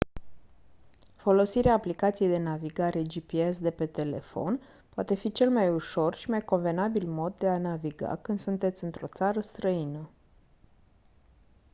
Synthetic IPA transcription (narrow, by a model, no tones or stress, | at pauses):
fo̞lo̞siɾeaːplikat̪sijejd̪e̞naviɡaɾe̞d͡ʒipiesd̪e̞pe̞t̪e̞le̞̰fo̞n | poat̪e̞fit͡ʃe̞lmajuʃo̞rʃimajko̞nve̞nabilmo̞d̪ːe̞anaviɡa̰kɨnd̪sunt̪e̞t̪sʲɨnt̪ɾo̞t̪saɾəst̪ɾəinə